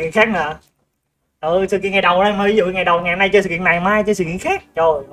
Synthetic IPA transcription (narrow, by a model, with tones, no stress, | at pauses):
kḭ˧˨əŋxaː˦˥k̚naː˨˩ | ʔɨ˨˩sɨ̰˨˧˩kḭ˧˨nŋa˨˩jɗə˨˩waː˧ma˨˩vi˨˦zṵ˧˨ŋa˨˩jɗə˨˩wŋa˨hmna˧jt͡ɕsɨ̰˧kḭ˧˨əna˨˩jmaː˧jt͡ɕə˧sɨ̰˧˨kḭ˧˨əŋxaː˦˥k̚zo˨˩j